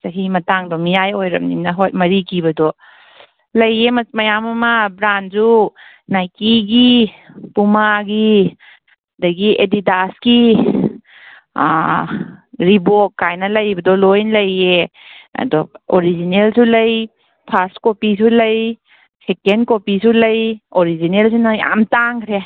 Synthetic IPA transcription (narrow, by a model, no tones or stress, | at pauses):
sɐɦimɐtaŋdɔmijajojɾɐ̰mninɐɦojmɐɾikʰibɐdɔ | lɐjemmɐjamɐmɐbɾanzu | najkiɡi | pumaɡi | dɐɡiedidaski | ɾibot̚kajnɐlɐjbɐdɔlojnlɐjeɐ̰dɔoɾizinelsulɐj | pʰaɾskopisulɐj | sekenkopisulɐjoɾizinels̬inaja̰mtaŋkʰɾe